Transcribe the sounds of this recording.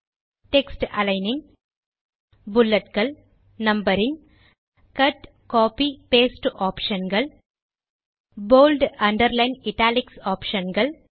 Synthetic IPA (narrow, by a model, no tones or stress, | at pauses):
ʈeksʈɐlɐɪnɪŋɡ | bʊlːɐʈɡɐɭ | nɐmbɐɾɪŋɡ | kɐʈ | koːpipeːsʈʔaːpʃɐnɡɐɭ | boːlɖɐɳɖɐɾlɐɪnɪʈaːlɪksaːpʃɐnɡɐɭ